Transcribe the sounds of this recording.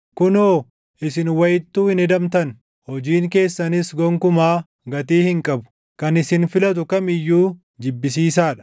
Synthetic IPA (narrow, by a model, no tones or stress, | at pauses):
kʊnoː | ʔɪsɪnwɐjɪt̪ːuːhɪnɛd̪ɐmt̪ɐn | hɔd͡ʒiːŋke̞ːsːɐnɪsɡɔŋkʊmaː | ɡɐt̪iːhɪŋkʼɐbʊ̥ | kɐnɪsɪnfɪlɐt̪̬ʊkɐmɪjːuː | d͡ʒɪbːɪs̬iːsaːᶑɐ̥